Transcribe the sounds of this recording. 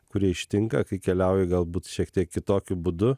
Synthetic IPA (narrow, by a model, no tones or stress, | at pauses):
kʊɾʲiɛɪʃʲt̪ʲɪŋkɐkɐɪkʲɛlʲɛˑʊjɪɡɐlˠbuːt̪ʃʲiɛkt̪ʲiɛkʲkʲɪt̪oːkʲʊbʊd̪ʊ